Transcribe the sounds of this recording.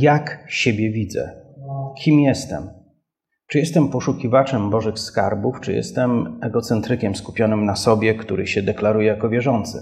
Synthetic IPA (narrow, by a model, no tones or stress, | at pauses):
jakɕebʲjɛvʲid̪zɛ̰kʲʰimjɛst̪ɛ̰m | t͡ʂɨjɛst̪ɛmpɔʂukʲivat͡ʂɛmbɔʐɘxskaɾbuft͡ʂɨjɛ̰st̪ɛmɛɡɔt̪sɛnt̪ɾɘkʲɛmskupʲjɔnɘmnasɔbʲjɛkt̪uɾɘ̰ɕɛd̪ɛklaɾujɛjakɔvʲjɛʐɔnt̪sɘ̰